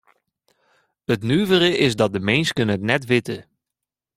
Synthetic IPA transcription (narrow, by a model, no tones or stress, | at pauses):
ətnyːvəɾəʔɪzdɑt̚dəmɪnskənəətnɛtʋɪtə